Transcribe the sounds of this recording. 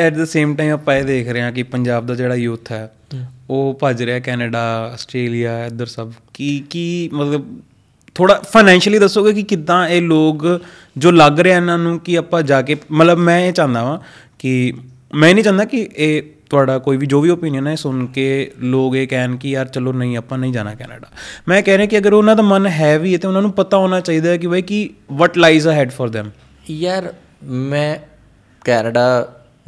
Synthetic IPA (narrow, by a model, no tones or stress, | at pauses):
ɛːʈd̪əseːmʈaːiːməpːãːeːd̪eːkʰɾeãːkɪpəɲd͡ʒaːb̚d̪aːd͡ʒeːɽaːjʊt̪ʰːɛː | oːpəd͡ʒɾeɛːkɛːnəɖaːəsʈɾeːlijaːɛd̪əɾsəbkikimət̪ləb̚ | t̪ʰoːɽaːpʰaːnɛ̃ːnʃəliːd̪əsːoːɡeːkɪkɪd̪ãːeːloːɡ | d͡ʒoːləɡɾeaːɪnãːnũːkɪəpãːd͡ʒaːkeːmət̪ləbmɛ̃ːeːt͡ʃãːnd̪aːʋãː | kɪ | mɛ̃ːnəĩːt͡ʃãːnd̪aːkɪʔeːt̪ʊaːɖaːkoːiːʋiːd͡ʒoːʋiːoːpiːnjənɛːeːsʊnkeːloːɡeːkɛːnkɪjaːɾt͡ʃəloːnəĩːəpːãːnəĩːd͡ʒa̰ːna̰ːkɛ̰ːnə̰ɖaːmɛ̃ːkɛːɾẽãːkɪəɡəɾʊnãːd̪aːmənɦɛːʋiːɛt̪eːʊnãːnũːpət̪aːɔ̃ːnaːt͡ʃaːiːd̪aːɛːk̬ɪbəiːkɪʋɔːʈlaːizaːɦɛːɖfʰɔːɾd̪ɛ̃ːm | jaɾ | mɛ̃ː | kɛːnəɖaː